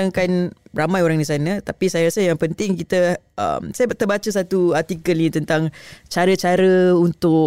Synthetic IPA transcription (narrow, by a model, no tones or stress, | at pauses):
aŋkanramãjoɾaŋdisanãt̪apisajaɾasəjaŋpənt̪ɪŋkit̪əʔə̰msajt̪ərbat͡ʃəs̬at̪uat̪ikəlnit̪ənt̪aŋt͡ʃaɾət͡ʃaɾəunt̪ʊ